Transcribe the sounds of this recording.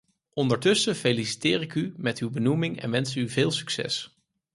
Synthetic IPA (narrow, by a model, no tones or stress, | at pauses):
ʔɔndəɹtɵsəfelisi̥tɪːrɪkymɛtywbənumɪŋɛ̰nʋɛnsəyvɪːlˠsy̥ksɛ̰s